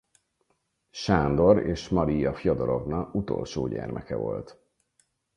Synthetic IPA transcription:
ʃaːnd̪o̞ɾeːʃmɒɾijɒfjod̪oɾo̞vnɒut̪o̞̰lʃoːɟɛrmʔɛkɛvo̞lt̪

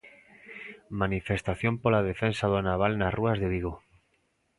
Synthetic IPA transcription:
manifest̪aθjompolað̞efensaðonaβ̞alnasruazðeβiɣ̞o

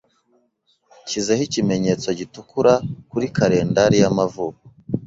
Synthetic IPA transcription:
cize̞hicime̞ɲe̞t͡so̞ɟitukuɾakuɾikaɾe̞ːndaɾijamavuːko̥

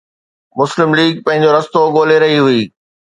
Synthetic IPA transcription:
mʊslɪmliːɡ̚pɐ̃ɦɪ̃ɲ̆d͡ʑoɾɐst̪oɠoːleɾɐɦiɦʊiː

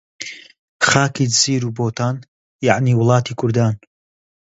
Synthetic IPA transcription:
xaːkiziːɾuːboːt̪ʰaːn | jaʕniːwʊlˠɑːt̪ʰiːkʰʊɾd̪aːn

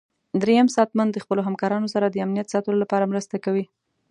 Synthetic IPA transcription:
d̪ɾejamsɑt̪mand̪ːəxpəloɦamkɑɾɑnosaɾad̪əamnijat̪sɑt̪əlolapɑɾamɾəst̪akawi

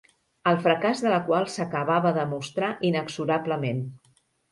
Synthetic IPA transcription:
əlˠfɾəkazðələkwalˠsəkəβaβəðəmust̪ɾaʔinəksuɾabləmen

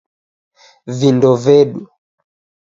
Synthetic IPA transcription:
vindɔvɛɗu

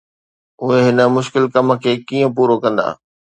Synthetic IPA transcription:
ʊɦeɦɪnə̆mʊʃkɪlkɐm̆kʰeːkiːə̃puːɾokɐ̃nd̪a̰ː

